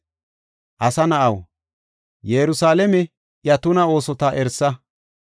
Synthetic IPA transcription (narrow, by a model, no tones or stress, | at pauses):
ʔɐsɐnɐʔɐw | jɛɾʊsaːlɛmɛ | jɐt̪ʊnɐo̞ːsɔt̪ɐʔɛɾsɐ